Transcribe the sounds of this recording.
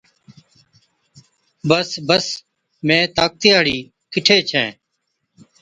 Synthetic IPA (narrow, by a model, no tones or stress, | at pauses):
bəsbəs | mẽːt̪aːk̚t̪ɪjaːɽiː | kɪʈʰeːt͡ʃʰɛ̃ː